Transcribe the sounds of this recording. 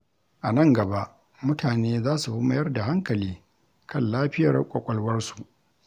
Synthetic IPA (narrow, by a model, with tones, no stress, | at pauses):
ʔa˨nɐ˦˨ŋɡɐ˨ba˦ʔ | mʊ˦tʰaː˨neː˦zaː˦su˨bʊ˦mɐ˨jɐ˦rda˨ɦa˦ŋkɐ˨liː˦ | kʰɐ˦nlaː˦ɸɪ˦jɐ̰˨rkʷʼɔ˨kʷʼɐ˨lwɐ˦rsu̥˨ʔ